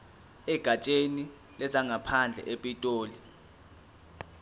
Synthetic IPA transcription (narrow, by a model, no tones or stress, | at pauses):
ɛɡ̥ʱat͡ʃʼeni | lɛzaŋʱapʰand͡ɮʱɛ̰ʔepʼitʼoːli